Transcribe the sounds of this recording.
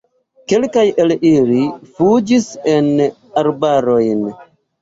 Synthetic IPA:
ke̞lkajʔelilifud͡ʒise̞n | aɾbaɾo̞jn

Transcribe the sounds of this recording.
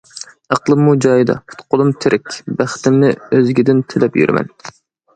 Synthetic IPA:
æqlˠɨmːud͡ʒɑjɨd̪ɑ̰pʰɨ̥t̪qʰʊlˠumt̪ʰɾʔɪkʲbæχt̪ɪmnɪøzɡʲid̪ɪnt̪ʰɪlɛpjy̰ɾɪ̰mɛ̰n

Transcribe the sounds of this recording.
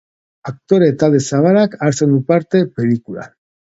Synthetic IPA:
ak̚t̪o̞ɾet̪alesaβaɾakaɾt͡send̪upaɾt̪e̞pe̞likula̰n

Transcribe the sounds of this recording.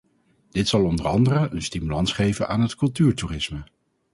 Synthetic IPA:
d̥ɪtsɑlˠɔndərɑndərəʔənstimylɑnsχejvənʔa̰ːnɦətkɵlˠtyːɹtuːrɪsmə

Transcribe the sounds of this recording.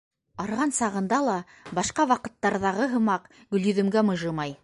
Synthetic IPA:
ɑɾʁɑnsɑʁɤ̆nd̪ɑlˠɑ | bɑʃqɑwɑqɤ̆t̪ːɑɾðɑʁɤɦɤ̆mɑq | ɡɵ̆ljɵ̆ðɵ̆mɡæmɤ̆ʒɤmɑj

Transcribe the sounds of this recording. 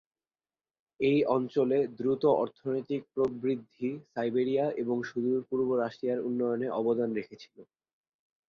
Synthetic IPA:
ejʔɔnt͡ɕoled̪ɾut̪oɔɾt̪ʰonojt̪ik̚pɾobɾid̪ʱːisajbeɾijaʔeboŋʃud̪uɾpuɾboɾaʃʈɾijaɾṵnːɔjoneʔɔbod̪anɾekʰet͡ɕʰi̥lo

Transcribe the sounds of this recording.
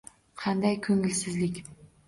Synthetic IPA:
qʰɑnd̪ajkʰɵŋɪlsɪzlɪkʲ

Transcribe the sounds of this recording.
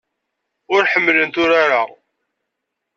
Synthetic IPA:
ʊɾħəmːlənt̪ʊɾaɾa

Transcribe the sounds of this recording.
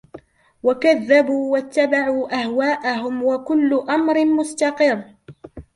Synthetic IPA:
wakaðːabuːwat̪ːabaʕuːʔahwaːʔaɦʊmwakʊlːʊʔamɾɪmʊst̪ɑqɨrː

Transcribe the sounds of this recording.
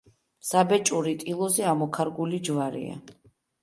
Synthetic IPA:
sabɛt͡ʃʼuɾit̪ʼilˠɔzɛamɔkʰaɾɡulid͡ʒvaɾḭa̰

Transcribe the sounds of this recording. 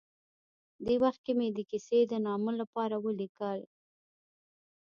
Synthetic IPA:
d̪ewaxt̪̚kemed̪əkised̪ənɑməlapɑɾawəlikəl

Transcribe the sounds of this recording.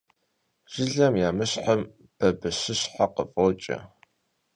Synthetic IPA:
ʒ̥ɪɮɐmjaːmɨɕħəm | b̥ɐbɨɕɪɕħaqəfʼoːt͡ʃʼɐ̰

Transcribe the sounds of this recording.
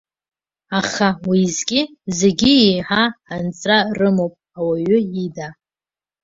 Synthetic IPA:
aχawizkʲʼɪze̞ɡʲɪijħaant͡sʼrarɨmowpʼawaɥʏida

